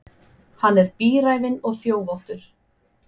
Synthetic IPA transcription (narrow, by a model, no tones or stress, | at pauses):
hanːɛɾpiːɾaːjvɪnɔɣθjoːwvɔwht̪ʏɾ̥